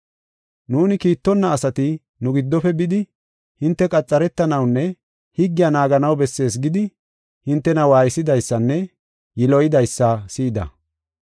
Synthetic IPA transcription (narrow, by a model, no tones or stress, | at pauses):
nuːnɪkiːt̪ːɔnːɐːsɐt̪ɪ | nʊɡɪd̪ːɔfɛbɪd̪ɪ | hɪnt̪ːɛkʼɐt͡sʼːɐɾɛt̪ːɐnɐwnːɛ | hɪɡːɪjɐnaːɡɐnɐwbɛsːe̞ːs̬ɡɪd̪ɪ | hɪnt̪ːɛnɐwaːjɪsɪd̪ɐjsːɐnːɛ | jɪlɔjɪd̪ɐjsːɐsiːd̪ɐ̰